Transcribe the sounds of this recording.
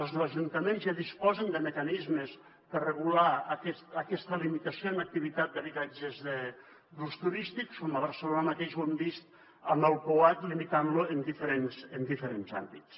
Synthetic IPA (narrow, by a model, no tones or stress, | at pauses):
əlˠzðlɐʒunt̪əmenzjaðispɔzənd̪əməkanizməs | pərəɣulaːkɛst̪əkɛst̪əlimit̪əsionək̚t̪iβit̪at̪̚d̪əβit̪ad͡ʒəzðə | bɾust̪uɾist̪ikskoməβəɾsəlonəmat̪eʃwembist̪ | əməlˠpoat̪limit̪anluənd̪ifəɾensənd̪ifəɾenza̰mbit̪s